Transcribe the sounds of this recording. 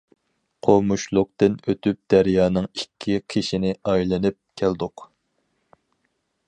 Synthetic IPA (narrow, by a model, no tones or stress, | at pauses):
qʰomuʃlˠʊq̚t̪ɨnøt̪ʰyp̚d̪æɾjɑːnɨŋikʲʰːiqʰiʃinɪɑjlˠɨnɨp̚kʲʰæld̪ʊq